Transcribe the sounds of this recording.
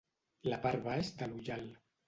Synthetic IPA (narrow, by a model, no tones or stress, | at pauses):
lapaɾβaezd̪aluʎal